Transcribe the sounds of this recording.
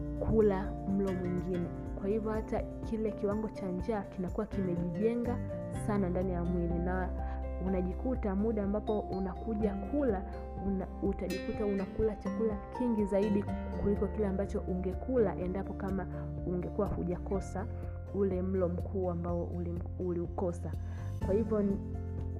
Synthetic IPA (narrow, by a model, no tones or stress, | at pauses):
kʰulam̩lɔmwiŋɡinɛ | kwahivjɔhata | kilɛkiwaŋɡɔt͡ʃaɲd͡ʒaːkinakuwakimɛʄiʄɛŋɡa | sanandanijamwilinaunaʄikutamuɗaːmbapɔunakuʄakʰula | u | utaʄikutaunakulat͡ʃakulakʰiŋɡizaiɗi | kulikɔkilɛambat͡ʃɔʔuŋɡɛkula̰ʔɛndapɔkama | uŋɡɛkuwahuʄakɔsa | ulɛm̩lɔm̩kʰuːambaɔl | uliukɔsa | kwahivjɔ